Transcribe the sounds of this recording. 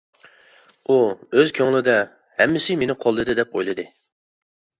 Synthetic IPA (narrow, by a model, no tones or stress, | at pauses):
uøzkʲʰøŋlˠɪd̪ɛ | hɛmːɪsɪmenɪqʰolˠːɨd̪ɨd̪ɛpo̰jlˠɨd̪ɨ